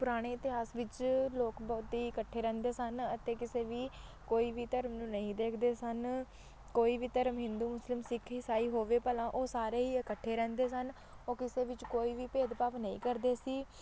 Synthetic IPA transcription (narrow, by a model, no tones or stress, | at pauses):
pʊɾaːɽ̃eːɪt̪ɪɦaːsʋɪt͡ʃloːkbɔːt̪iːəkəʈʰːeːɾɛ̃ːnd̪eːsənət̪eːkɪseːʋiː | koːiːʋiːt̪əɾmnũːnəĩːd̪eːkʰd̪eːsən | koːiːʋiːt̪əɾəmɦɪ̃nd̪uːmʊslɪmsɪkʰɦisaːiːɦoːʋeːpəlãːʔoːsaːɾeːɦiːəkəʈʰːeːɾɛ̃ːnd̪eːsən | oːkɪseːʋɪt͡ʃkoːiːʋiːpeːd̪paːʋnəḭ̃ːkəɾd̪eːsiː